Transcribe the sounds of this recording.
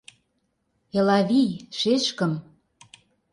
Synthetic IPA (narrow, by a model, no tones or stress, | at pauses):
elɑβijʃeʃkə̆m